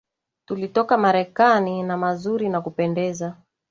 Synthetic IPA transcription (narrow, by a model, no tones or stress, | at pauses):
tulitɔkamaɾɛkaninamazuɾinakupɛndɛza